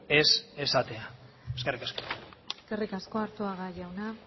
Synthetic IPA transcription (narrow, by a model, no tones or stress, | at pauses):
e̞se̞sat̪e̞a | e̞skerikasko̥eske̞rikasko̞aɾt̪oaɣaʝawna